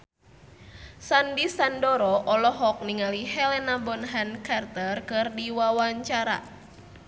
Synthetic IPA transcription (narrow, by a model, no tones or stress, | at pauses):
sandisandɔɾɔʔɔlɔɦɔk̚niŋalihɛlɛnabɔnɦankart̪ərkɨrdiwawaɲt͡ʃaɾa̰